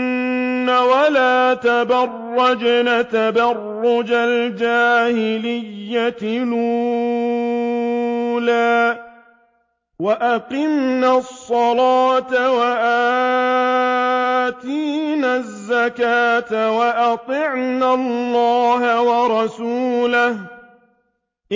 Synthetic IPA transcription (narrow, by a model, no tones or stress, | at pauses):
awalaːt̪abɑrːɑd͡ʒnat̪abɑrˤːʊd͡ʒald͡ʒaːhɪlɪjːat̪ɪlu | laː | waʔaqɪmnasˤːɑlaːt̪awaʔa | t̪iːnazːakaːt̪awaʔɑt̪ˤɪʕnalːɑːɦawɑɾˤɑsuːlah